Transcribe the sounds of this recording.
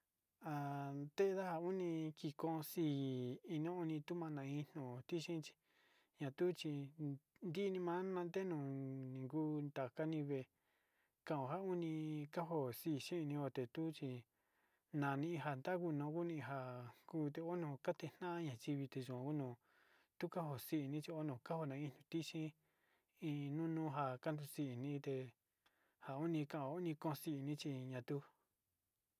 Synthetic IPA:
a˧˨nd̪e˦˧ða˦ha˧u˦nĩ˧ki˧kõ˦˧siː˧˦˨i˧nõ˦u˧nĩ˧t̪u˦mã˧nã˨ĩ˧n̥õ˨t̪i˦ʃĩ˦t͡ʃi̥˧ | ɲã˧t̪u˦t͡ʃi˧nd̪i˦˧nĩ˧mã˦nã˧nd̪e˦nũ˨nĩ˨ŋɡu˦nd̪a˨ka˦nĩ˧βe˧˨ | kã˧˨õ˨ɦa˦u˦nĩ˧ka˦ɦo˧˨si˧˨ʃĩ˦˧nĩ˧o˧˨t̪e˨t̪u˦t͡ʃi˧ | nã˨nĩ˧ɦa˧nd̪a˦ku˧nõ˧˦ku˦nĩ˧ɦa˧ku˦t̪e˧o˦nõ˧˨ka˦t̪e˧n̥ã˦ã˦ɲã˧t͡ʃi˧βi˧t̪e˧ʒũ˨ã˨˧ku˦nõ˧˨ | t̪u˦ka˦ho˧si˦ʔnĩ˦t͡ʃi˧o˦nõ˧˨ka˦ho˧˨nã˧ĩ˧n̥ũ˧t̪i˦ʃĩ˦ | ĩ˧nũ˦nũː˦ɦa˧ka˦nd̪u˧si˧i˨nĩ˧˦t̪e˧ | ha˨u˦nĩ˧kã˧˨õ˨˦u˦nĩ˧kõ˦˧si˧ʔnĩ˦t͡ʃi˧ɲã˧t̪u˦

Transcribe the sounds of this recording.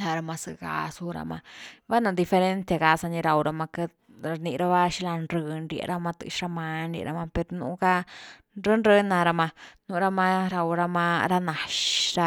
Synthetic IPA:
la˧ɾa˧ma˧sɨ̰˧ɡa̰˧su˧ɾa̰˧ma̰˧ba˦na˧d̪i˧fe˧ɾe˦nt̪a˧ɡa˧sa˧ɲi˧ɾa˧wɾa˧ma˧ke˧ | ɾa˧ni˧ɾa˦βa˦ʃi˦la˧nɾɨ˧nɾjḛ˧˨ɾa˧ma˧t̪ɨ̰˧˨ʃɾa˧ma˧nɾjḛ˨ɾa̰˧˦ma˧pe˧ɾnṵ˧˦ɡa˧ | ɾə˦nɾɨ˦na˧ɾa˧ma˧nu˧ɾa˧ma˧ɾa˧wɾa˧ma˧ɾa˧na˨ʃɾa˧

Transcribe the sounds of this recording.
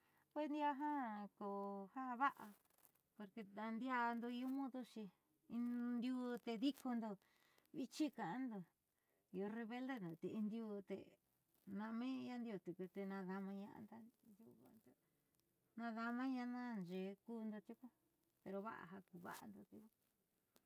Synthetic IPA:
kʷe˦nd̪i˦a˧ɦã˦ko˨ha˦βa˦ʔa˧ | po˧ɾke˧a˧nd̪ja˧nd̪o˧i˧o˦mõ˦ðo˦ʃi˧ | i˧nd̪ju˧t̪e˧ði˦ko˧nd̪o˧ | βi˦t͡ʃi˦kã˨ʔã˦nd̪o˧˨ | i˧o˧re˧βe˦ld̪e˦nd̪o˨t̪e˨i˧nd̪ju˧t̪ḛ˧ | nã˧mẽ˦ja˦nd̪ʲo˧t̪u˨ku˧t̪e˧nã˧ða˧mã˧ɲã̰˧ʔa̰˧nd̪a˦nd̪ṵ˧βa̰˧nd̪o˦ | nã˧ða˧mã˦ɲã˧nã˦nd͡ʒe˨kuː˦nd̪o˧t̪ʲu˦ku˦ | pe˧ɾo˧βa̰˦ʔa̰˧ɦa˧ku˧βa̰˦ʔa̰˧nd̪o˧t̪i˧˦˧

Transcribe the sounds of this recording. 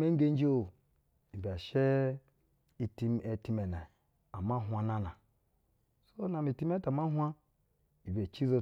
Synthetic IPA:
me˦ŋ˦ɡe˦n˦d͡ʒi˦o˦˨ | i˨ba˨ʃe˦ | i˦ti˦me˨˦ti˦me˨na˨ | a˨ma˦ɦʷa˨na˦na˨ | so˦na˨mi˨ti˦m˦e˦ta˨ma˦ɦʷa˦ | i˨be˨t͡ʃi˦zo˦

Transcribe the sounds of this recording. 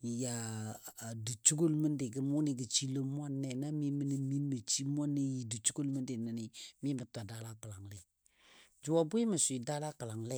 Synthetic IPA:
ja˨ | du˨t͡ʃu˦ɡo˦lmə˦ndɪ˨ɡə˦mu˦ni˨ɡə˨t͡ʃi˦lo˦m˦a˦nːɛ˦˨na˦mi˦mə˦ni˦mi˦nː˦ə˨t͡ʃi˦m˦ɔ˦ne˦ji˨du˨t͡ʃu˦ɡo˦lmə˦ndɪ˨nə˨ni˨mi˦mə˨ta˨da˦la˦kə˨la˨ŋlɛ˦˨ | d͡ʒu˨wa˨bu˦i˦mə˨swi˨da˦la˦kə˨la˨ŋlɛ˦˨

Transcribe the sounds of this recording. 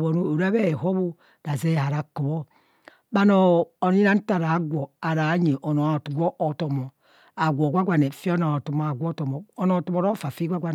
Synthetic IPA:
bo˨nu˨o˨ɾa˦be˦˨ɦo˦bu˦ | ɾa˨ze˦˨ha˨ɾa˨ko˨bo˦ | ba˦no˨o˨ni˦ɾa˦n̩˦ta˨ɾa˨˦ɡʷo˨a˨ɾa˨˦ɲe˨ʔo˨no˨a˨tu˨ɡʷo˦ʔo˨to˨mo˨ | a˨ɡʷo˨ɡʷa˦ɡʷa˨ne˨fi˦o˦no˨tu˨mo˨a˨ɡʷɔ˦to˨mo˨o˦no˨tu˦mo˨ɾo˦fa˨fi˦ɡʷa˦ɡʷa˨n˨

